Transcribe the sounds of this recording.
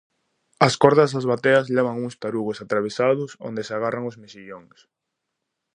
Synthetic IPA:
ɐskɔɾðɐsazβat̪eɐzlɛβaŋuŋst̪aɾuɣʊsat̪ɾaβ̞esaðʊso̰nd̪esaɣaraŋozmesiʎoŋs

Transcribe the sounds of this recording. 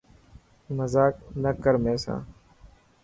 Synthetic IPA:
məzaːknəkəɾmẽːsã̰ː

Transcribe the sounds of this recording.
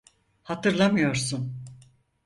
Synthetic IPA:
hat̪ɯɾlˠamɯjo̞ɾsun

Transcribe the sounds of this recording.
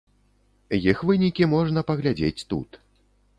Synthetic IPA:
jixvɨnʲikʲimɔʐnɐpɐɣlʲad͡zʲḛt͡sʲt̪ṵt̪

